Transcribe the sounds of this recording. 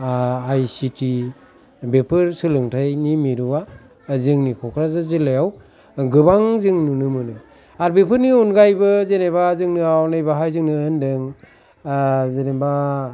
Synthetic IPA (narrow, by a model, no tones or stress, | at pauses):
ajsitʰi | bepʰɯɾsɯlɯŋtʰajnimiɾuwa | zɯŋnikʰɔkʰɾazazɯlejaw | ɡɯbaŋzɯŋnunɯmɯnɯ | aɾbepʰɯɾniɔnɡajbɯzenebazɯŋnɯawnajbaɦajzɯŋnɯɯndɯŋ | zeneba